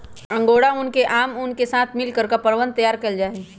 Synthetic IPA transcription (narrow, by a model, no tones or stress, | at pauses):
ə̃ŋɡoɽaʊnkeʔaːmʊnkesat̪ʰmɪlkəɾkapəɾʋən̚t̪əjaːɾkəld͡ʒaːe